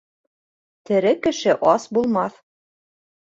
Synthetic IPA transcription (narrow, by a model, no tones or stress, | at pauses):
t̪ɘ̆ɾɘkɘ̆ʃɘʔɑsbulˠmɑθ